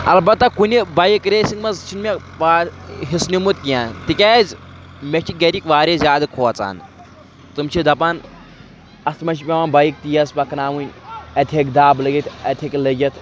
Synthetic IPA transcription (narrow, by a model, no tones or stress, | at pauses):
ɐ̰lbɐt̪ːakunʲibɐjikɾeːsiŋɡmɐzt͡ʃʰinmʲe | ʋaɦisnʲimut̪kijaːnt̪ikʲɛːzʲ | mʲet͡ʃʰiɡɐɾʲikʲʋaːɾʲezʲaːd̪ɨkʰoːt͡sa̰ːn | t͡s̪ɨmt͡ʃʰid̪ɐpan | ɐst̪mɐt͡ʃʰipʲeʋaːnbɐjik̚t̪ijɐspɐkʰnaːʋunʲɐt̪ʰʲekd̪aːblɨɡʲit̪ʰʲɐt̪ʲʰeklɐɡʲɐt̪ʰ